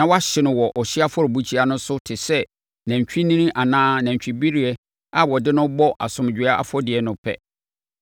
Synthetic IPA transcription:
nã˨wa˦ɕɪ˦nʊ̃˨wɔ˨ʔɔ˨ɕɪ˦a˦fɔ˦ɾbu˦t͡ɕʰi˦a˨nʊ̃˦sʊ˦tʰɪ˨sɛ˦ | næ̃˨ɲ˨t͡ɕᶣi˦nĩ˦nĩ˦ʔa˨nãː˦nã˨ɲ˨t͡ɕᶣi˨bi˦ɾi˨ɛ˦ | a˦wɔ˨dɪ˦nʊ̃˦bɔ˦ʔa̰˨sʊ̃˨md͡ʑᶣɪ˨˦a˦ʔa̰˦fɔ˦dɪ˨ɛ˨nʊ̃˨pʰɛ̰˦

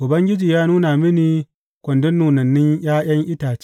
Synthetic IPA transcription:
ʔʊ˨bɐ˦ŋɡʲɪ˦d͡ʒiː˨jaː˦nuː˦na˨mɪ˦niː˨ | kʷɔ˨ndʊ˦nːuː˨nɐ˨nːɪ˦ɲj̰aː˦j̰ɐ˦ŋʔɪ˦taː˨t͡ʃ

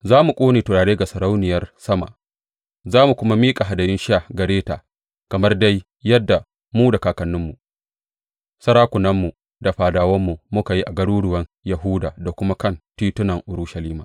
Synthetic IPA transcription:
zaː˦mu˨kʷʼoː˦neː˨tʊ˨ɽaː˨ɽeː˦ɡa˨sɐ˨ɾa˦wnɪ˨jɐ˦rsɐ˦ma̰˨ʔ | zaː˦mu˨kʷʊ˦ma˦miː˦kʼa˨ɦa˨dɐ˨jɪ˦nʃa˦˨ɡɐ˨ɽeː˦ta̰ː˨ | kɐ˨mɐ˦rda˦jː | ɐ˦dːa˨ | muː˦da˨kaː˨kɐ˨nːʊ˦mːu˨ | sɐ˦ɾaː˦kʷʊ˨nɐ˦mːu˨ | da˨ɸaː˨daː˨wɐ˦mːu˨mʊ˦ka˨ji˦ʔa˨ɡɐ˦ɽuː˦ɽʊ˨wɐ˦njɐ˨ɦuː˦daː˨da˨kʷʊ˦ma˦kɐ˦˨ntiː˦tʊ˦nɐ˨ŋʔʊ˨ɾʊ˦ʃɐ˨liː˦maː˨

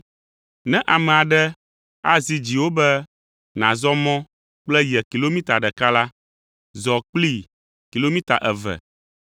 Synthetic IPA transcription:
nɛ̃˦ʔa˨mɛ˨a˨ɖɛ˦ | a˦zi˨d͡ʑi˨wo˦bɛ˦ | nã˨zɔ˦mɔ̃˦ | k͡plɛ˦jɛ˨ki˨lo˦mĩ˦t̪a˨ɖɛ˨ka˦la˦ | zɔ˨k͡pli˦ | ki˨lo˦mĩ˦t̪a̰˨ʔɛ˨vɛ̰˨

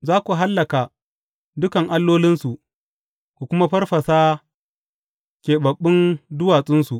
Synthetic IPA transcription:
zaː˦kʷu˨ɦa˦lːɐ˨ka˨ | dʊ˦kɐ˨ŋʔa˦lːoː˦lɪ˦nsu˨ʔ | kʷu˨kʷʊ˦ma˦ɸɐ˦rɸɐ˨saː˦ | kʲeː˨bɐ˨ɓːɪ˦ndʊ˦waː˨sʼɪ˦nsu˨ʔ

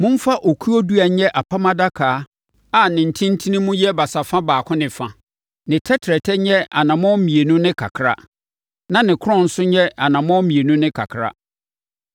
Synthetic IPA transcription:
mʊ̃˦m̩˦fa˦ʔo˨kʰu˦ɔ˦du˦a˨˦ɲɛ˦ʔa˨pʰa˦mã˦da˦kʰaː˨˦ | a˨nɪ̃˨n̩˨tʰĩ˦n̩˦tʰĩ˦nĩ˦mũ˦jɛ˦ba˨sa˨fã˦baː˨kʰʊ̃˦nɪ̃˨fã˨ | nɪ̃˨tʰɛ˦tʰɾɛ˨tʰɛ˦ɲɛ˦a̰˨nã˨mɔ̃˦m̩˦mĩ˨e˨nũ˦nɪ̃˦kʰa̰˨kʰɾa̰˦ | nã˦nɪ̃˨kʰʊ˦ɔ̃˦˨n̩˦sʊ˦ɲɛ˦a˨nã˨mɔ̃˦mĩ˨e˨nũ˦nɪ̃˦kʰa̰˨kʰɾa̰˦

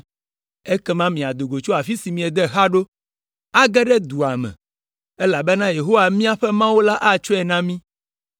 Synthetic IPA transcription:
ɛ˦kɛ˦mã˦mĩ˨a˨d̪o˨ɡo˨t͡ʃo˦a˨fi˦si˨mĩ˨ɛ˨d̪ɛ˦ɦa˦ɖo˦ | a˦ɡɛ˦ɖɛ˦d̪u˨a˨mɛ̰̃˨ | ɛ˦la˨bɛ˦nã˦je˨ɦo˦wa˨mĩ˦a˦ɸɛ˦mã˦wo˦la˦ʔa˦t͡ʃɔ˦ɛ˨nã˦mĩ˦

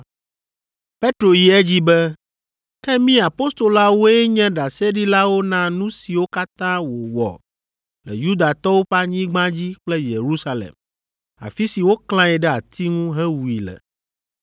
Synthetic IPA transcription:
pe˦t̪ɾo˨ji˨˦ɛ˦d͡ʑi˦bɛ˦ | kɛ˦mĩ˦a˨po˦st̪o˨la˦wo˦ɛ˦ɲɛ̃˦ɖa˨sɛ˦ɖi˦la˦wo˦nã˦nũ˦si˨wo˦ka˦t̪ã˦wo˨wɔ̰˨ | lɛ˨ju˦d̪a˨t̪ɔ˦wo˦ɸa˦ɲĩ˦ɡ͡bã˦d͡ʑi˦k͡plɛ˦je˨ɾu˦sa˦lḛ˨m | a̰˨fi˦si˨wo˦kl̃ã˦ɛ˨ɖɛ˦a˨t̪i˦ŋũ˦ɦɛ̃˦wu˨i˨lɛ̰˨

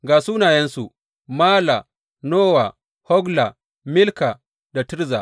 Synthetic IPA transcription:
ɡaː˨suː˦naː˨jɛ˦nsu˨ʔ | maː˦la˨ | noː˦wa˨ | hɔ˦ɡla˨ | mɪ˦lka˨ | da˨tɪ˦ɾza̰˨ʔ

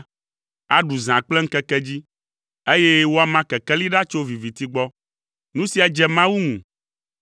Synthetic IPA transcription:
a˦ɖu˨zã˨k͡plɛ˦ŋ̩˦kɛ˦kɛ˦d͡ʑi˦ | e˦jɛ˦wo˦a˨mã˦kɛ˨kɛ˦li˦ɖa˦t͡ʃo˦vi˨vi˨t̪i˦ɡ͡bɔ˦ | nũ˦si˨a˨d͡ʒɛ˨mã˦wu˦ŋṵ̃˨

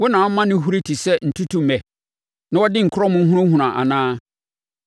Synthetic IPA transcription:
wɔ˦nãː˨˦mã˦nɪ̃˦ɦu˦ɾi˦tʰi˨sɛ˦n̩˨tʰu˦tu˦mɛ̃˨ | nã˦wɔ˦dɪ̃˦ŋ̩˨kʰʊ˦ɾɔ˦mʊ̃˦ɦʊ̃˦ɾʊ̃˦hʊ̃˨ɾã˨ʔa̰˨nãː˦

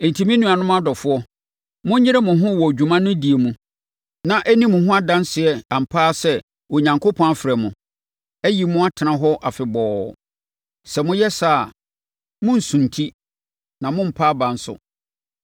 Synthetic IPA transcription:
e˨n̩˨tʰi˨mĩ˦nũ˦a˨nʊ̃˦m˦a˦dɔ˨fʊ˦ɔ˦ | mʊ̃˦ɪ˦ɾɛ˦mʊ̃˨ɦʊ̃˦wɔ˨d͡ʑᶣu˨mã˦nʊ̃˦di˨e˨mũ˨ | nã˨ʔɛ˦nĩ˦mʊ̃˨ɦʊ̃˦a˦dã˦n˦sɪ˨ɛ˨a˨m̩˨pʰaː˦˨sɛ˦ | o˨ɲã˨ŋkʰo˦pʰɔ̃˦na˨fɪ˨ɾɛ˨mʊ̃˨ | ɛ˦ji˨mʊ̃˦a˦tʰɪ˨nã˨ɦɔ˦ʔa˨fɪ˨bɔː˨ | sɛ˨mʊ̃˦jɛ˦saː˦˨ | mʊ̃˦n̩˨sũ˨n˨tʰi˦ | nã˨mʊ̃˦m̩˨pʰaː˦bã˨n̩˦sʊ̰˨

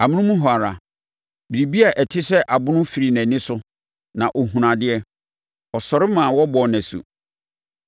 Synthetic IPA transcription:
a˨mʊ̃˦ũ˦mũ˦ɦɔ˨a˨ɾa˨ | bi˨ɾi˨bi˦a˨ʔɛ˨tʰɪ˦sɛ˦ʔa˨bʊ̃˦nʊ̃˦fi˨ɾi˨næ̃˨nɪ̃˦sʊ˦ | nã˨ʔo˨ɦũ˨ɾã˨dɪ˦ɛ˦ | ɔ˨sɔ˨ɾɪ˦mã˨wɔ˦bɔ˨næ̃˨sṵ˨

